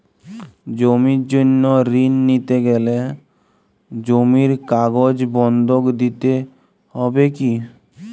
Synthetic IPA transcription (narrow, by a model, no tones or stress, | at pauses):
d͡ʑomiɾd͡ʒonːoɾinːit̪eɡɛle | d͡ʑomiɾkaɡod͡ʑbɔnd̪okd̪it̪e | hɔbeki